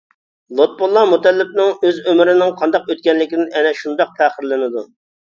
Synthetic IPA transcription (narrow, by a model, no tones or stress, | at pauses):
lˠot̪̚bolˠːɑmut̪ɛlːɪp̚nɪŋøzømɾɪnɪŋqʰɑnd̪ɑqøt̪̚kʲɛnlɪkʲid̪ɪnɛnɛʃund̪ɑq̚pʰæχəɾlˠɨnɪd̪u